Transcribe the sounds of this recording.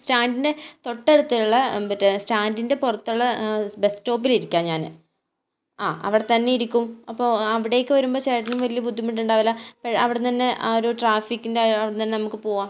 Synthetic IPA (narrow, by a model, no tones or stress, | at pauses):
staːndinde̞t̪o̞ʈːe̞ɽut̪ːiluɭːɐbɐtːstaːndinde̞purɐt̪ːuɭːɐbe̞sʈːo̞ːp̬ːiliɾikʲːaːnɲaːnɨ̰ | aːʔɐ̰ʋiɽet̪ɐnːejiɾikʲːumɐpːoːɐʋiɽe̞jkːɨʋɐɾumbo̞ːɕeːʈɐnumʋɐlijɐbud̪ʱːimiɳʈːuɳɖaːʋilːapːɐɻɐʋiɽet̪ɐnːe̞ʔaoɾuʈraːfikːindeɐʋiɽet̪ɐnːenɐmukːɨpo̞ːɣaːm